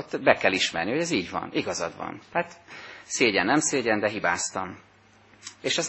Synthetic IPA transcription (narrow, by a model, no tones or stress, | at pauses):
t̪ːbɛkɛliʃmɛ̰rniho̞ɟɛziːɟʋɒ̰niɡɒzɒ̰d̪ʋɒ̰nhat̪seːɟɛnːɛmseːɟɛnd̪ɛɦibaːst̪ɒm | eːʃɛz